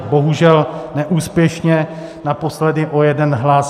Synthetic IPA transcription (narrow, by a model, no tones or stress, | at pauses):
bo̞ɦuʒɛlnɛʔuːspjɛʃɲɛ | napo̞slɛdɪʔo̞jɛdɛnɦlas